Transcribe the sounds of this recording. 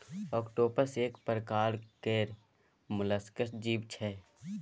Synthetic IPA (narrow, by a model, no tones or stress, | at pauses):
ɔːkʈoːpəɾseːkpəɾəkaːɾkeːɾ | mʊləskəsd͡ʒiːbt͡ʃʰɛ